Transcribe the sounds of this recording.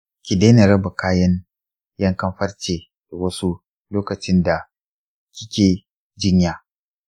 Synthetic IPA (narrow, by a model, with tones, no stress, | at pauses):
kʲi˨deː˦na˨ɾɐ˦ba˨kaː˦jɐ˦n | jɐ˦ŋkɐ˦mɸɐ˦rt͡ʃeː˨ | d̥a˨wɐ˦su˦ | loː˦kɐ˨t͡ʃɪ˦nda˨ | kʲɪ˦kʲeː˨ | d͡ʒɪ˦ɲjaː˨